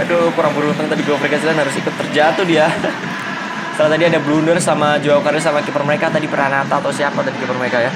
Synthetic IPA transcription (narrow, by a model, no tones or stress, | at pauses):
adokuɾaŋbuɾut̪əŋt̪adiɡwaməɾekasilanhaɾʊsikʊt̪ːərd͡ʒat̪ʊdia | səɾat̪adiadablundərsamad͡ʒuawkaɾsamakipərməɾekat̪adipəranat̪aːt̪awsiapat̪adikipərməɾekaja